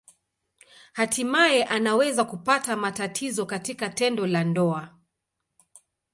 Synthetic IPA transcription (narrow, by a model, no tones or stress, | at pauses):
hatimajɛʔanawɛzakupatamatatʰizɔkatikatɛndɔlandɔa